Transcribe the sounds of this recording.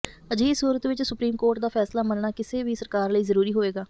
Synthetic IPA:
əd͡ʒiːsuːɾət̪ʋɪt͡ʃsʊpɾiːmkoːɾʈ̚d̪aːpʰɛːslaːmənnaːkɪseːʋiːsəɾkaːɾləiːzəɾuːɾiːɦoːeːɡaː

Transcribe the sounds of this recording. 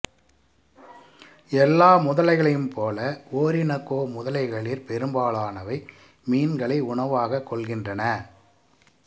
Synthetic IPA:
ɛlːaːmʊðɐlɐɪɣɐɭɐjɯmpʰoːlɐoːɾɪnɐkːoːmʊðɐlɐɪɣɐɭɪɾpɛɾɯmbaːɭaːnɐʋɐɪ | miːnɡɐɭɐɪʊɳɐʋaːɣɐkːɔɭɣɪndrɐnɐ

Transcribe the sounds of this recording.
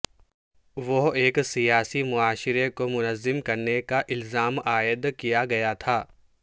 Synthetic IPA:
ʋoɦeːksijaːsimʊaːʃɪɾekomʊnəzːɪmkɐɾnekaʔɪlzaːmaːjəd̪kijaɡɐjat̪ʰaː

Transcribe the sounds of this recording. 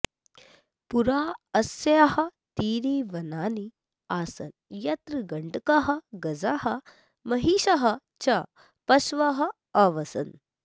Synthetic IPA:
puɾaːɐsɐjahɐt̪iːɾiːʋɐnaːni | aːsɐnjɐt̪ɾɨɡɐɳɖkaɦɐɡɐd͡zaːɦɐ | mɐɦiːɕaɦɐ | t͡ʃɐ | pɐsʋaɦɐ | ɐʋɐsɐ̰n

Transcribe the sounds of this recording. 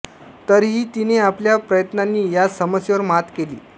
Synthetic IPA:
t̪əɾɦiːt̪ineapljapɾəjət̪nanːiːjasəməsjəʋəɾmat̪kelḭː

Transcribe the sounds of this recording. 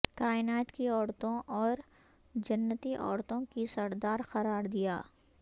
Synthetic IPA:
kaːɪnaːt̪kiɔːɾt̪õʔɔːɾ | d͡ʒɐnːət̪iʔɔ̰ːɾt̪õkisɐɾd̪aːɾxɐɾaːɾd̪ijaː

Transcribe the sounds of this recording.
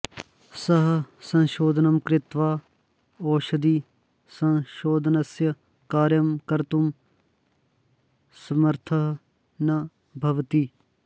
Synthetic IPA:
sɐɦsɐ̃nʃoːd̪ʱnɐmkɾɪt̪ʋaː | oːʃɐd̪i | sɐ̃ʃoːd̪ʱɐnɐsjɐ | kaːɾjɐmkɐɾt̪um | sɐmɐɾt̪ʰɐɦ | nɐ | bʱɐʋt̪i

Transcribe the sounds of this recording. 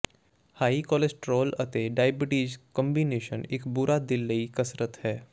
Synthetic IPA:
haːikɔːlesʈɾoːlət̪eɖaːjbɪʈiːd͡ʒkəmbiːneːʃənɪkbʊɾʔaːd̪ɪlːəikəsɾət̪hɛː

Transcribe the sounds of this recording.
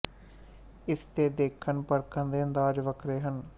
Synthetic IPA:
ɪst̪eːd̪eːkʰːənpəɾkʰə̃nd̪eːə̃nd̪aːd͡ʒʋəkʰɾeːɦən

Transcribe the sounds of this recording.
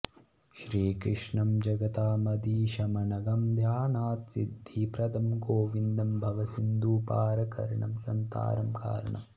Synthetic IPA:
ʃɾiːkɾɪʂɳɐmd͡ʒɐɡɐt̪aːmɐd̪iːʃɐmɐnɐɡɐmd̪ʱjaːnaːt̪sḭd̪ʱːipɾɐd̪ʱɐmɡoːʋind̪ɐmbʱɐʋɐsind̪uːpaːɾɐkɐ̰ɾɐɳɐ̰msɐnt̪a̰ːɾɐmka̰ːɾɐɳɐ̰m

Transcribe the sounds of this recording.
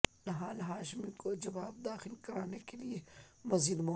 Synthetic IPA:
nɦaːlɦaːʃmikod͡ʒɐʋaːb̚d̪aːxɪlkɐɾaːnekeliemɐziːd̪mɔ

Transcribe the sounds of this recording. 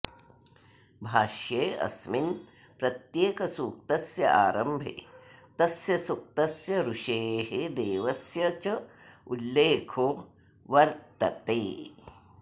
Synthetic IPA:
bʱaːʃjeːɐ̰smin | pɾɐt̪jeːkɐsuːk̚t̪ɐsjɐ̰ʔa̰ːɾɐmbʱḛt̪ɐsjɐsuk̚t̪ɐsjɐɾuʂeːɦed̪eːʋɐsjɐt͡ʃɐulːeːkʰoː | ʋɐɾt̪ɐt̪eː

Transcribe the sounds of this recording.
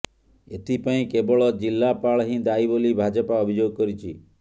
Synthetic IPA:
et̪ʰipaĩkebɔɭɔd͡ʒilːapaɭɦĩd̪aibolibʱad͡ʒɔpaɔbʱid͡ʒoɡkɔɾit͡ʃʰi

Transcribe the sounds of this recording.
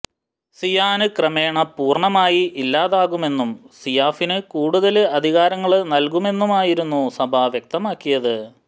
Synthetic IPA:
sijaːnɨkrɐme̞ːɳɐpuːrɳɐmaːjiʔilːaːðaːɣume̞nːumsijaːfinɨkuːɽuðɐlɨɐd̪ʱiɣaːɾɐŋːɐɭnɐlkume̞nːumaːjiɾunːusɐbʱɐʋjek̚t̪ɐmaːkːijɐðɨ

